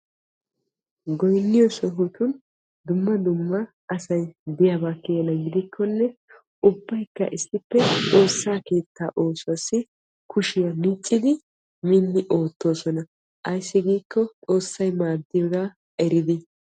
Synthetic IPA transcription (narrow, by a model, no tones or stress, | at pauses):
ɡɔjnːɪjɔsɔɦʊt̪ʊn | d̪ʊmːɐd̪ʊmːɐ | ɐsɐjd̪ɪjabaːkːeɛnɐɡɪd̪ɪkʰːɔnːɛ | ʊbːɐjkːɐ̰ʔɪsːɪpːɛt̪ʼo̞ːsːaːke̞ːt̪ːaːʔo̞ːsʊwasːɪ | kʰʊʃɪjɐmɪt͡ʃʼːɪd̪ɪ | minːɪʔo̞ːt̪ːo̞ːsɔnɐ | ʔɐjsːɪɡiːkːɔt̪ʼo̞ːsːɐjmaːd̪ːɪjɔɡaː | ɛɾɪd̪ɪ